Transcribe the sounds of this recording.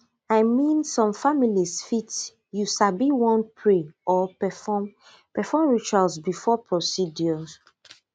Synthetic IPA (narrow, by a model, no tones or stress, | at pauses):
ajmĩnsɔ̃mfamilisfit | jusabiwɔ̃npʰɹeʔɔɛfɔm | pɛfɔmɹit͡ʃalsbifɔpʰɹɔsidjɔs